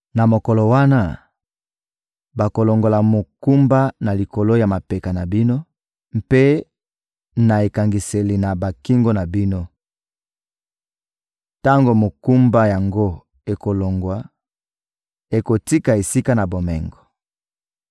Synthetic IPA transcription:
na˨mo˨ko˨lo˨wa˦na˦ | ba˨ko˨lo˨ŋɡo˨la˨mo˨ku˦mba˦na˨li˨ko˨lo˦ja˨ma˨pe˨ka˨na˨bi˦no˦ | mpe˦ | na˨e˨ka˨ŋɡi˨se˨li˨na˨ba˨ki˦ŋɡo˦na˨bi˦no˦ | ta˦ŋɡo˨mo˨ku˦mba˦ja˨ŋɡo˦ | e˨ko˨lo˨ŋɡwa˨ | e˨ko˨ti˦ka˨e˨si˦ka˦na˨bo˨mɛ̰˨ŋɡɔ˨

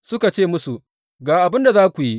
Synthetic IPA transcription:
sʊ˦ka˨t͡ʃeː˦˨mʊ˦su˨ | ɡaː˨ʔa˨bɪ˦nda˨zaː˦kʷu˨ji˦ʔ

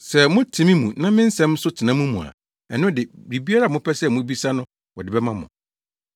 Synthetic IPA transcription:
sɛ˨mʊ̃˦tʰĩ˨˦mĩ˦mũ˨nã˦mɪ̃˦n̩˦sɛ̃˦m˦sʊ˦tʰɪ˨nã˨˦mũ˦mũ˨a̰˨ | ɛ˨nʊ̃˦dɪ˨ɾi˨bi˦a˦ɾa˦˨mʊ̃˦pʰɛ˦sɛ˦mʊ̃˦bi˦sa˦nʊ̃˦ | wɔ˨dɪ˨bɛ˦mã˦mʊ̰̃˨

